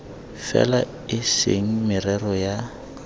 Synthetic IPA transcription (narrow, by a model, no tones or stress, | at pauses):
fɛ̰la | ɪseŋ̩mɪrɛrɔja